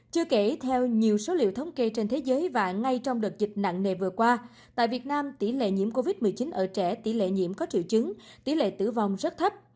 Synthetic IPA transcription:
t͡ɕɨ˧əke˧˩t̪ʰɛ˧wɲi˨˩əwso˨˦lḭ˧˨əwt̪ʰə˨˦wŋ͡mke˧t͡ɕe˧nt̪ʰe˨˦zəː˨˦jvaː˨˩ŋa˧jt͡ɕɔ˧wŋ͡mɗɨ˨˩ək̚zï˨˩t̟̚na̰˧˨ŋne˨˩vɨ˨˩əkwaː˧ | t̪a̰ː˧˨jvi˨˩ət̚naː˧mt̪i˧˩lḛ˧˨ɲḭ˧˩əmko˧vi˦˥t̚mɨ˨˩əjt͡ɕi˨˦nʔəː˧˩t͡ɕɛ˧˩t̪i˧˩lḛ˧˨ɲḭ˧˥əmkɔ˨˦t͡ɕḭ˧˨wt͡ɕɨ˨˦ŋt̪i˧˩lḛ˧˨t̪ɨ̰˧˩vɔ˨˩wŋ͡mzə˦˥t̚t̪ʰə˦˥p̚

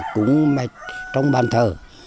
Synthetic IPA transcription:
kʊ˨˦ŋ͡mma˨˩t͡ɕɔ˧wŋ͡mɓaː˨˩nt̪ʰəː˨˩

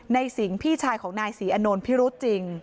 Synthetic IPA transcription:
na˧jsi˩˦ŋpʰiː˥˩t͡ɕʰaː˧jkʰɔː˩˦ŋnaː˧jsiː˩˦ʔa˧noː˧npʰi˦˥ɾu˦˥t̪̚t͡ɕi˧ŋ

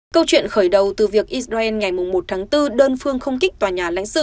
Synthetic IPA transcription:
kə˧wt͡ɕwḭ˧˨ənxəː˧˩jɗə˨˩wt̪ɨ˨˩vi˨˩ək̚ʔi˦˥s̚zaː˧ʔɛ˧nŋa˨˩jmʊ˨˩ŋ͡mmo˨˩t̚t̪ʰaː˨˦ŋt̪ɨ˧ɗəː˧nfɨ˧əŋxə˧wŋ͡mkï˦˥k̟̚t̪waː˨˩ɲaː˨˩la̰˧˥ŋ̟sɨ̰˧˨

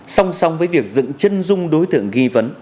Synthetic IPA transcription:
sa˧wŋ͡msa˧wŋ͡mvəː˨˦jvi˨˩ək̚zɨ̰˧˨ŋt͡ɕə˧nzʊ˧ŋ͡mɗo˨˦jt̪ɨ̰˧˨əŋɣi˧və˨˦n

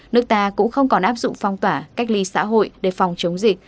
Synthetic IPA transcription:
nɨ˦˥ək̚t̪aː˧kʊ̰˧˥ŋ͡mxə˧wŋ͡mkɔ˨˩nʔaː˦˥p̚zʊ̰˧˨ŋ͡mfɔ˧˩wŋ͡mt̪waː˧˩ka˦˥jk̟̚li˨˦sa̰ː˧˥ɦo̰˧˨jɗe˧˩fa˨˩wŋ͡mt͡ɕə˨˦wŋ͡mzi˨˩k̚

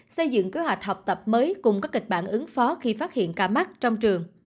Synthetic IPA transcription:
sə˧jzɨ̰˧˨ŋke˨˦ɦwa˨˩jk̟̚hɔ˨˩wk͡p̚t̪ə˨˩p̚məː˨˦jkʊ˨˩ŋ͡mkaː˦˥k̚ːï˨˩k̟̚ɓa̰ː˧˨nʔɨ˨˦ŋfɔ˨˦xi˧faː˦˥t̚hḭ˧˨ənkaː˧˩ma˦˥t̚t͡ɕɔ˧wŋ͡mt͡ɕɨ˨˩əŋ

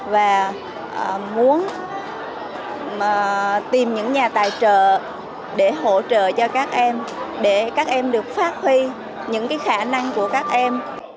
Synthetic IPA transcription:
vaː˨˩ | ʔə˨˩mu˨˦ən˨˩ | t̪i˨˩mɲɨ̰˧˥ŋɲaː˨˩t̪a̰ː˧˨jt͡ɕə̰ː˧˨ | ɗe˧˩ɦo̰˧˩˨t͡ɕə̰ː˧˨t͡ɕɔ˧kaː˦˥k̚ʔɛ˧mɗe˧˩kaː˦˥k̚ʔɛ˧mɗɨ˨˩ək̚faː˦˥t̚hwi˧ | ɲɨ̰˧˥ŋkaː˨˦jxaː˧˩na˧ŋku˧˩əkaː˦˥k̚ʔɛ˧m

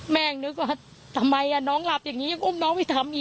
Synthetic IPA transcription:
mɛː˧˩˨ŋnɯ˦˥k̚waː˧˥˩ | t̪ʰa˧mːa˧jʔa˧˩nɔː˦˥ŋla˨˩p̚jaː˨˩ŋːiː˦˥ɲa˧ŋʔo˧˥˩m̚nɔː˦˥ŋma˧˩jt̪ʰa˧mʔiː˨˩

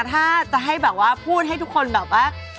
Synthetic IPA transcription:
t̪ʰaː˥˩t͡ɕa˨˩ɦa˥˩jbɛː˨˩p̚waː˥˩pʰuː˥˩t̪̚ɦa˥˩jt̪ʰu˦˥kʰːo˧nbɛː˨˩p̚waː˥˩

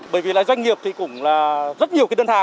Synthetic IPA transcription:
ɓəː˧˩jvi˨˩la̰ː˧˨zwa˧jŋ̟ŋi˨˩əp̚t̪ʰi˨˩kʊ̰˧˩ŋ͡mlaː˨˩zə˦˥t̚ɲ˨əkaː˨˦ɗəː˧nt̪ʰaː˧˨˩

